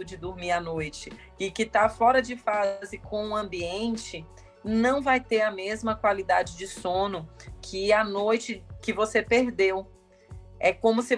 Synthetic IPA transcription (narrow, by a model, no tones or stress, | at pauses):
ʊd͡ʒɪd̪ʊɾmiɾanojt͡ʃɪ | ɪkɪt̪afɔɾɐd͡ʒɪfazɪkʰõũɐ̃mbiẽnt͡ʃɪ | nɐ̃w̃vajt̪eɾɐmezmɐkwalid̪ad͡ʒɪd͡ʒɪsõnʊkʰɪanojt͡ʃɪkɪvosepeɾd̪ew | ɛkõmʊsɪ